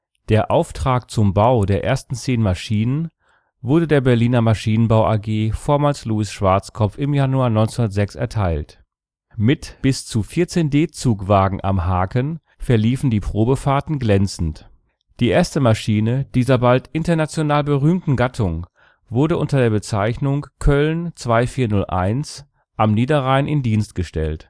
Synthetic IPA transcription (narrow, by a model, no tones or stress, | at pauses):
d̥eːɐʔaʊftʁ̥aːkt͡sʊmbaʊdeːɐʔḛːɐstn̩t͡seːnmaʃiːnən | vʊɐdədeːɐbɛɐliːnɐmaʃiːnənbaʊʔaɡeːfoːɐmaːlsluːɪsʃv̥aɐt͡skʰɔpp͡fɪmjanuaːɐnɔʏnt͡snunɐtz̥ɛksɛ̰ɐtʰaɪlt | mɪtb̥ɪst͡sufɪɐt͡seːndeːt͡suːkv̥aːɡŋ̩ʔa̰mɦaːkən | fɛɐliːfn̩diːpʁ̥oːbəfaːɐtn̩ɡlɛnt͡sn̩t | d̥iːʔeːɐstəmaʃiːnəd̥iːzɐbaltʔɪntɐnat͡sjonaːlbəʁyːmtn̩ɡatʰʊŋ | vʊɐdəʔʊntɐdeːɐbət͡saɪçnʊŋkʰœlnt͡sv̥aɪfiːɐnʊlʔa̰ɪns | ʔamniːdɐʁaɪənʔɪ̰ndiːnst̚ɡ̥əʃtɛ̰lt